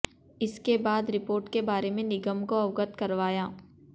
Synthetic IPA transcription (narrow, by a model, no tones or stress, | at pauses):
ɪskebaːd̪ɾɪpoːɾʈkebaːɾemẽnɪɡəmkoɐʋɡət̪kɐɾʋaːjaː